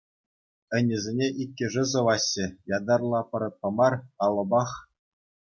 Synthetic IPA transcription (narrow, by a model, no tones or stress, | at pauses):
ɘ̆nʲːɘ̆zʲenʲeʔikʲːɘ̆ʐɘ̆zɤ̆ʋɑɕːɘ̆jɑd̪ɑrlˠɑpɤ̆ɾɤ̆t̪̚qɤ̆mɑrɑlˠɤ̆bɑχ